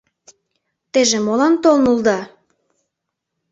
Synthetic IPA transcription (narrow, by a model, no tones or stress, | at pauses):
t̪eʒemolɑnt̪olnuld̪ɑ